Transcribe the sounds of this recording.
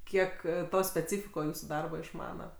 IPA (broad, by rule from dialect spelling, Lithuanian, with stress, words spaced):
ˈkʲiɛk ˈtoː sʲpʲɛˈt͡sʲiːfʲɪkoː ˈjuːsʊ ˈdɐrbɐ ɪʃˈmɑːnɐ